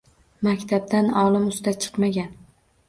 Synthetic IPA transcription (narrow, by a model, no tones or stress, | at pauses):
makʲt̪ʰab̚d̪anɒlˠɪmʊsd̪at͡ʃʰɨ̥qmaɡʲan